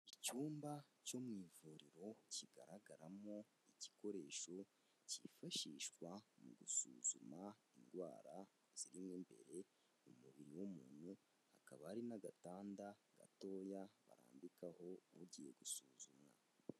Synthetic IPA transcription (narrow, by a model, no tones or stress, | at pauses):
icuːmbaco̞mŋiːvuɾiɾo̞ciɡa̰ɾaɡaɾamo | ici̥ko̞ɾe̞ːʃo̞ | cifaʃiːʃkwamuɡusuːzumainɡwa̰ːɾa | z̥iɾimŋimbe̞̰ɾe̞ | umuβiɾiwumuːn̥hu | hakaβaaɾinaɡataːndaɡ̥a̰to̞jaβa̰ɾa̰ːmbikaho̞βuɟije̞ɡusuːzumŋa̰